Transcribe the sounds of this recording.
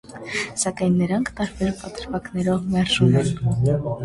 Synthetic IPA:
sɑkɑjnːəɾɑŋkʰt̪ɑɾbɛɾpɑt̪əɾvɑknɛɾɔvmɛrʒumɛn

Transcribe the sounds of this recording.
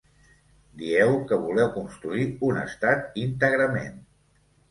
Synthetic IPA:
d̪iɛwkəβulɛwkunst̪ɾuiunə̰st̪at̪̚int̪əɣɾəmḛn

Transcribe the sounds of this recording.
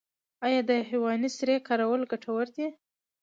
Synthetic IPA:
ɑjɑd̪əhiwɑnisɾekɑɾawəlɡaʈʰawəɾt̪e

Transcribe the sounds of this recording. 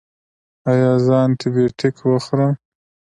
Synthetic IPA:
ajɑːzɑːnt̪ʰibeʈʰɪkʰwəxɾəm

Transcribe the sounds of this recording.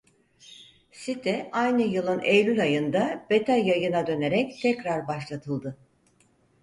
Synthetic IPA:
sit̪ʰɛʔajnɯjɯlˠɯnejlʲylʲajɯnd̪ab̥e̞t̪ʰajajɯnad̪ø̞ne̞ɾɛct̪ʰɛcɾaɾbaʃlˠat̪ʰɯlˠd̪ɯ

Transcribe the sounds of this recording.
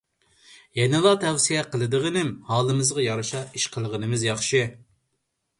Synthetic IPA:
jɛnɪlˠɑt̪ʰɛwsijɛqʰəlˠɨd̪ɨʁənɪmhɑːlˠɨmɨzʁɑjɑɾɨʃɑiʃqʰəlˠəʁənɨmɨzjɑχʃi

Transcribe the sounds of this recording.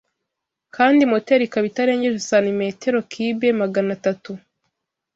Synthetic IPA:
kaːndimoteɾikaβitaɾe̞ːɲɟeʒesanime̞ːte̞ɾo̞kʰiːbe̞maɡanatatu

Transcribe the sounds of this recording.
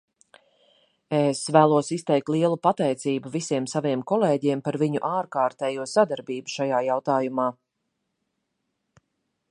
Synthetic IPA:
esvæːlˠuɔsist̪ɛjk̚t̪lˠiɛlˠupat̪ɛjt̪siːbuvisiɛmsaviɛmkɔlˠeːɟiɛmpaɾviɲuʔaːɾkaːɾt̪ɛːjuɔsad̪aɾbiːbuʃajaːjawt̪aːjumaː

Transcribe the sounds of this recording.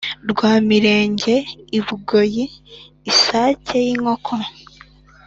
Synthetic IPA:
ɾɡwaːmiɾe̞ːɲɟe̞iβuɡo̞jiː | saːcʰe̞jiŋo̞kʰo

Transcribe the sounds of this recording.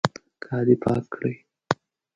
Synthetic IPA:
kʰɑːd̪ipʰɑ̰kːɽəj

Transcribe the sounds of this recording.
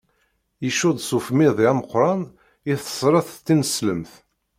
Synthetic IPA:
jiʃʊd̪ˤsufmiðˤiæməqːɾˤɑn | ɪθə̥sˤɾˤɑθˤt̪ːinəsləmθ

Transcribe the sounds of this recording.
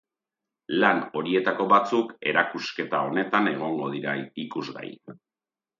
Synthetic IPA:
lano̞ɾie̞t̪ako̞βat͡suke̞ɾakuske̞t̪ao̞ne̞t̪ane̞ɣ̞o̞ŋɡo̞ðiɾaikuzɣa̰j

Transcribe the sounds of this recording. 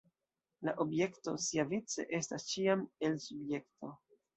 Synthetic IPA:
laʔo̞bje̞ktosiavit͡se̞̰ʔe̞stast͡ʃiame̞lsubje̞kto̞

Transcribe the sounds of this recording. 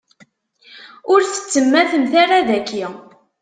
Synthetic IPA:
ʊɾθə̥t͡sːəmːæθəmθaɾaðækːi

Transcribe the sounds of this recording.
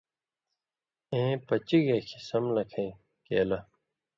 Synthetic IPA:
ẽːpɐt͡ɕiɣeːkʰi̥sɐmlɐkʰɐ̃ĩ | keːlɐ

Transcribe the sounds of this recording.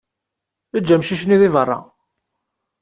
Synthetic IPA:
əd͡ʒːæmʃiʃniðivərˤːɑ̰

